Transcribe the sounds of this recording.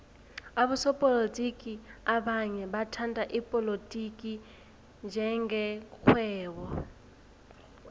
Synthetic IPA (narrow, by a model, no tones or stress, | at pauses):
aβusɔpʼɔlotʼikʼiaɓaɲɛɓatʰantʼaʔipʼɔlotʼikʼi | nd͡ʒʱɛŋɡɛkʰwɛːwɔ